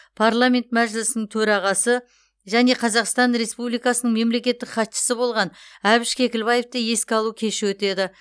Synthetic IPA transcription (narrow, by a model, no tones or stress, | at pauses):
pʰaɾlˠamʲe̞nt̪̚mæʒɪlɪsɪnɪŋt̪ʰɵɾɑʁɑsə | ʒæne̞qʰɑzɑqst̪ɑnɾe̞spublijkɑsənəɴme̞mle̞kʲe̞t̪ːɪkχɑt̪ʃə̥səbo̞lˠʁɑnæbɪʃkʲʰe̞kʲɪlbɑje̞ft̪eje̞skʲɑlˠukʲʰe̞ʃɪwɵt̪e̞d̪ɪ